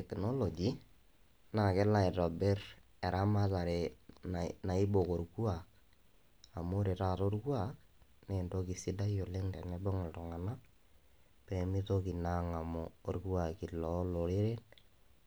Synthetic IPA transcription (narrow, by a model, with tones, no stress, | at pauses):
ɛ˨kno˦lo˨d͡ʒi˨ | na˨kɛ˦la˨ɪ˨tɔ˨be˦r | ɛ˨ɾa˦ma˦ta˨ɾe˨ | na˨i˦bo˨ko˨rku˦a˨k | a˨mo˦ɾe˨ta˦˨to˦rkwa˦kne˨ndo˦ki˨si˦da˦jo˨le˦ŋtɛ˨nɛ˦bɔ˦ŋɪ˨ltʊ˨ŋa˨na˦ | pɛ˨mi˦to˦ki˨na˦ŋa˨moː˨rku˦a˨ki˨lɔ˨˦lo˨ɾe˦ɾe˦n